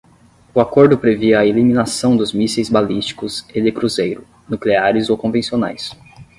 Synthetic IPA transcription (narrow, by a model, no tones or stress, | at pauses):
ʊakoɾd̪ʊpɾeveɐelimĩnasɐ̃w̃d̪ʊzmisejzbalist͡ʃi̥kʊzed̪ɪkɾuzejɾʊ | nukleaɾɪzowkõvẽsiona̰js